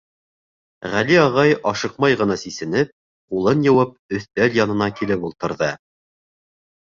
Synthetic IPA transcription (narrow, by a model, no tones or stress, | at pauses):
ʁæliɑʁɑjʔɑʃɤqmɑjʁɤ̆nɑsisɘ̆nɘp̚ | qulˠɤnjɤ̆wɤp̚ɵ̆θt̪æljɑnɤ̆nɑkilɘpulˠt̪ɤ̆ɾðɤ